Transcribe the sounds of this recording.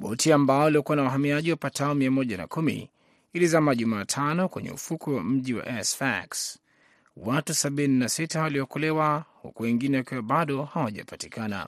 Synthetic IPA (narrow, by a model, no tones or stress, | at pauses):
ɓɔ̰tiambaɔaliɔkuwanawaɦamiaʄiwapatʰaɔmiamɔʄana̰kumḭ | ilizamaʄumaːtʰanɔkwɛ̰ɲɛ̰ṵfukuwa̰m̩ʄiwa̰ʔɛsfa̰ks | watusaɓininasitawaliɔkɔlɛwahṵkuwɛŋɡinɛwakiwaɓaɗɔhawaʄa̰patikana̰